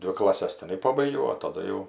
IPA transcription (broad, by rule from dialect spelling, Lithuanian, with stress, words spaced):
ˈdʲʋʲɪ klˠɐˈsʲɛs tʲɪˈnɐɪ ˈpɑːbɐɪɡʲɛʊ